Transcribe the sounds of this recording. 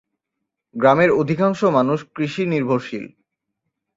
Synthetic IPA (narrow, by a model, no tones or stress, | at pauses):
ɡɾameɾod̪ʱikaŋʃomanuʃkɾiʃiniɾbʱoɾʃḭl